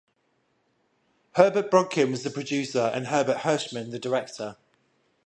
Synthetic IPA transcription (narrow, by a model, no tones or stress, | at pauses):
hɜːbəʔb̥ɹɒɡ̚kʰɪ̃nwɒzðəpʰɹ̥əd͡ʒʉˑsəɹə̰̃nɦɜːbəʔhɜˑʃmə̃nðədɪɹɛk̚tʰə